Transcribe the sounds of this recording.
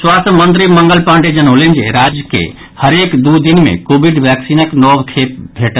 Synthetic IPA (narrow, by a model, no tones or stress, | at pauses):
swaːst̪mə̃nt̪ɾimə̃ŋɡəlpãːɳɖed͡ʒənoːlẽnd͡ʒḛɾaːd͡ʒjəkḛ | həɾeːkd̪ud̪inmḛ̃koːbiɖʋɛːksinəknɔːbkʰeːp̚bʱeːʈə